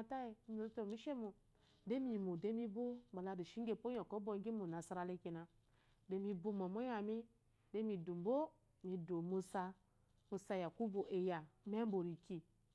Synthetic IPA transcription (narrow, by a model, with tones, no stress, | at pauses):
a˨ta˦e˨˦mo˨˦to˦˨mi˦ʃe˦mu˨ | de˦mi˨mu˨de˦mi˦bu˦ba˨la˨ɾi˨ʃi˦ŋ˦ɡe˦˨po˦jo˨ko˦bo˦ɡi˦mu˨na˨sa˦ɾa˨le˦ki˨na˨ | de˦mi˦bu˦mo˨mo˦ja˨mi˦ | de˦mi˨du˨m˦bo˦ | mi˨do˨mu˦sa˧ | mu˨sa˨ja˨ku˦bo˨ʔe˨ja˨me˦m˦bo˨ɾi˨ki˨